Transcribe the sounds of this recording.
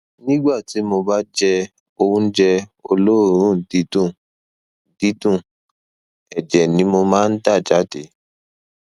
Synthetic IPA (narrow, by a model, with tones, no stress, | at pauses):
nĩ˦ɡ͡ba˦˨ti˨˦mo˧ba˦d͡ʒɛ˧ | o˧wũ˦d͡ʒɛ˧o˧lo˦˨ɾ̃ũ˦˨di˦tũ˦˨ | di˨˦tũ˦˨ | ɛ˨d͡ʒɛ˨nĩ˨˦mo˧mãː˦˧n̩˦ta˦˨d͡ʒa˨˦de˨˦